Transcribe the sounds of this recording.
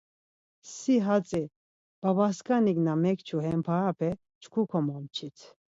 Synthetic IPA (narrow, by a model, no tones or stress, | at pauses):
siɦat͡sʼi | b̥abaskaniɡnamɛkt͡ʃʰuɦɛmpʰaapʰɛ | t͡ʃʰkʰukʰɔmɔmt͡ʃʰit̪ʰ